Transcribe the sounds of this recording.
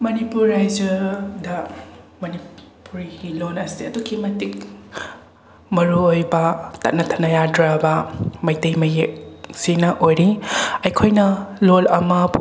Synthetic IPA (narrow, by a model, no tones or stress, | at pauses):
mɐnipuɾːajd͡ʒɐɾdɐ | mɐni | puɾiɡilonɐsiɐduɡimɐtik̚ | mɐɾuojbɐtɐ̰t̚nɐtʰɐnːɐjadɾabɐmɐjtɐjmɐjek̚sinɐʔojɾiɐjkʰojnɐlolɐmɐ